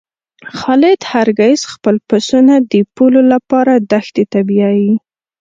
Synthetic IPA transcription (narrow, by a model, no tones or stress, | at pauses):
xɑlɪd̪haɾɡajsxpəlpasunad̪əpulolapɑɾad̪axt̪et̪abiaji